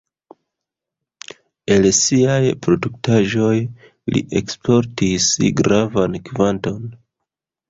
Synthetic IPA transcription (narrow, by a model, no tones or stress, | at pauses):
e̞lsiajpɾo̞duktaʒo̞j | lḭʔe̞̰kspʰo̞ɾtisɡɾavankvanto̞n